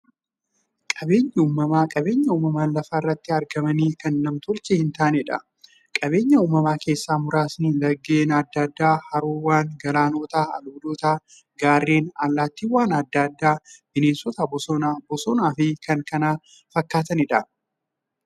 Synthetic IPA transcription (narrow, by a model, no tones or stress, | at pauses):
kʼɐbe̞ːɲːɐuːmːɐmaːkʼɐbe̞ːɲːɐuːmɐmaːnlɐfaːɪrːɐt̪ːɪɐɾɡɐmɐniːkɐnːɐmt̪ɔlt͡ʃɛhɪnt̪aːnɛᶑɐ̰ | kʼɐbe̞ːɲːɐuːmɐmaːke̞ːsːaːmʊɾaːsniːlɐɡːe̞ːnɐd̪ːɐd̪ːaːhɐɾoːwːaːŋɡɐlaːnoːt̪aːɐ̰luːd̪oːt̪aː | ɡaːrːeːnalːaːt̪ːiːwaːnɐd̪ːad̪ːaːmɪneːsɔt̪ɐbɔsɔnabɔsɔnaːfɪkɐŋkɐnaː | fɐkːaːt̪ɐnɪᶑɐ